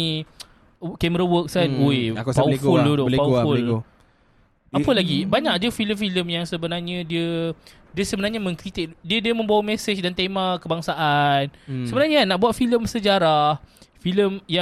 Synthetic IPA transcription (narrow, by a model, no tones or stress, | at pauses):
i | kɛməɾəwək̚sanoekpafuldodopaufʊl | apəlaɡibaɲak̚d͡ʒəfiləmfiləmjaŋsəbənarɲədiə | diəsəbənarɲamə̃ŋkɾit̪ɪk̚diədiəmə̃mbawamɛsət͡ʃdant̪emãkəbaŋsaʔansəbənarɲanaʔbuwat̪̚filəmsəd͡ʒaɾahfiləmja